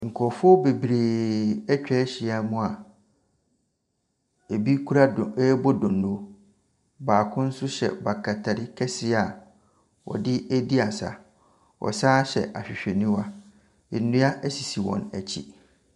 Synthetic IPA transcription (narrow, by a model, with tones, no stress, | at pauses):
ŋ̩˨kʰɔ˨fʊ˦ɔ˦be˨bɾeː˨ɛ˦t͡ɕᶣɛː˦ɕɪ˨a˨mʊ̃˦a˨ | e˨bi˦kʰu˦ɾa˦˨ɛ˦bɔ˦dʊ̃˨nː˨o˨ | baː˨kʰʊ̃˦n̩˦sʊ˦ɕɛ̰˨ba˨kʰa˨tʰa˨ɾɪ˦kʰɛ˦sɪ˦a˨ | wɔ̰˨dɪ˦e˦di˦a˨sa̰˨ | ɔ̰˨saː˦ɕɛ̰˨ʔa̰˨ɕᶣɪ˨ɕᶣɛ˨nĩ˦wa˦ | ɪ˨˦nʊ̃˦a˦ʔæ˦si˨si˨wɔ̰̃˨næ˨t͡ɕʰḭ˦